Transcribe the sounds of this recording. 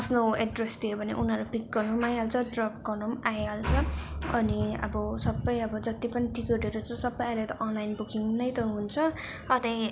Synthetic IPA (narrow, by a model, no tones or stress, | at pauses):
apʰnoeɖresdt̪ʰijobʱʌnḛʔunʌɾupikːʌnomajɦalt͡sʰʌɖrʌpkʌnumajalt͡sʰʌʌniʌ̰bʌsʌbːʌjʌbʌd͡zʌt̪ipʌniʈikeʈʌɾut͡sʌ̃sʌbːʌjajlat̪ʌʔʌnlajnbukiŋnʌjt̪ʌɦunt͡sʰʌ | ʌt̪ej